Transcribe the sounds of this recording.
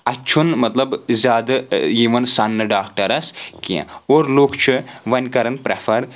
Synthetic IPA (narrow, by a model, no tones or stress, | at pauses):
ɐt͡ʃʰunmɐt̪lɐbzʲaːd̪ɨjiːʋɐnsɐnːɨɖaːk̚ʈɐɾɐskḭ̃oːɾloːkt͡ʃʰɨʋɐnʲkɐɾɐnpɾɐfʰɐɾ